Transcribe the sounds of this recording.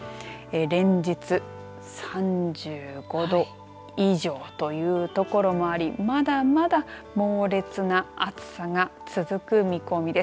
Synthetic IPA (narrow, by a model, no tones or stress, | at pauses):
eɾẽ̞ɲ̟d͡ʑit͡sɨ | sãɲd͡ʑɨːɡ̥o̞d̪o̞ | iʑo̞ːt̪o̞jɯ̟ːt̪o̞ko̞ɾo̞mo̞aɾʲimad̪amad̪amo̞ːɾe̞t͡sɨnaat͡sɨ̥saŋat͡sɨzɨkɯ̟mʲiko̞mʲid̪e̞s